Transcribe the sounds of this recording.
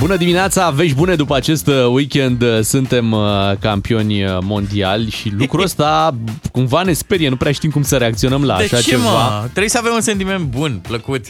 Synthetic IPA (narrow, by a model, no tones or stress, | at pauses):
bunəd̪imineat̪save̞ʃʲbune̞d̪upəat͡ʃe̞st̪wikʲe̞nd̪sunt̪e̞mkampio̞nʲəmo̞nd̪ialʲʃilukɾuəst̪akumvane̞spe̞ɾjenupɾeaʃt̪imkumsəɾeak̚t̪sio̞nəmlaːʃat͡ʃemvat̪ɾebujsəavemuns̬e̞nt̪ime̞nt̪̚bunpləkut̪